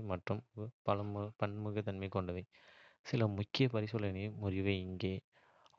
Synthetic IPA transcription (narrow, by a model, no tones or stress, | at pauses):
mɐʈrɯmpɐlɐmpɐnmɯɣɐt̪ːɐnmɐɪkːɔɳɖɐʋɐɪ | sɪlɐmʊkːɪjɐpɐɾɪsɔlɐnɐmʊɾɪʋɐɪŋɡeː